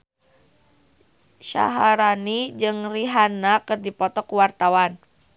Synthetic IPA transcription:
ʃa̰ɦaɾanid͡ʒɨŋriɦanakɨrdipɔt̪ɔkuwart̪awan

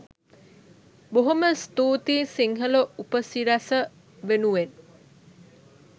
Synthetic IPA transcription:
boɦuməst̪uːt̪iːsiŋɦəloupəsiɾasə | ʋenuʋen

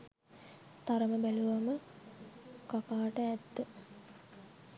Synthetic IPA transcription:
t̪aɾəməbæluʋamə | kakaːʈəæt̪ːə

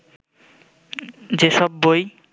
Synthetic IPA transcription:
d͡ʑeʃɔbːoj

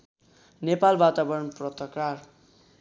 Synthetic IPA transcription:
nepalbat̪abʌɾʌnprʌt̪ʌkar

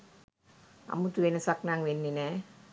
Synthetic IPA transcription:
a̰mːut̪ːuʋenɐsaknaːŋʋenːine

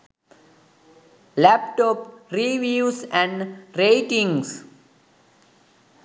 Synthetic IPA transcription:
læpʈɔpɾiʋiːsæ̃ɳɖɾeɪʈĩŋs

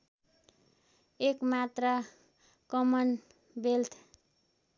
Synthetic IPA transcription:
ekmat̪rʌ | kʌmʌn | belt̪ʰ

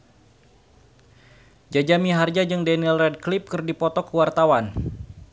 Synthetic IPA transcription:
d͡ʒad͡ʒamiɦard͡ʒad͡ʒɨŋdɛnilrɛd̚klip̚kɨrdipɔt̪ɔkəwart̪awan

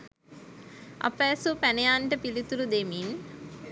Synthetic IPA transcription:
ʔa̰pæːsupænejaːɳʈəpilit̪ulud̪emin

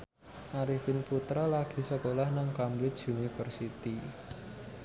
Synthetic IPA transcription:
ʔaɾifɪnput̪ɾalaɡ̥i̤səkolahnaŋkambɾɪt͡ʃunifərsit̪i

